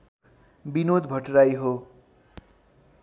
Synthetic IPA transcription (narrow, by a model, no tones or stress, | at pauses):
binod̪bʱʌʈrajɦo